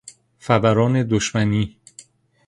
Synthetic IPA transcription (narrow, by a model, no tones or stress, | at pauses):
fæbæɾɒːne̞d̪oʃmæniː